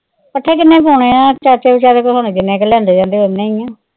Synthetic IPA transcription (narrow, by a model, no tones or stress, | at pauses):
pəʈʰːeːk̬ɪnːẽːpoːɳeːãːt͡ʃaːɾt͡ʃeːut͡ʃaːɾekosoːned͡ʒɪnːẽːkelɛ̃ːnd̪eːd͡ʒãːnd̪eːɦoneĩãː